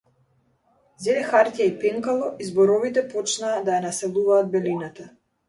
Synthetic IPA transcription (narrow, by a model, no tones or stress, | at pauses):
zɛd̪ɛxaɾt̪ʲjaipɛŋkalˠɔʔizbɔɾɔvit̪ɛpɔt͡ʃnaːd̪ajanasɛlˠuvaːd̪̚bɛlinat̪a